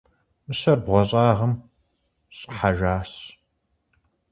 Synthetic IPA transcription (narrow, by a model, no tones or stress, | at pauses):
mɨɕɐrbʁʷɔɕʼaːʁɐm | ɕʼħaʒaːs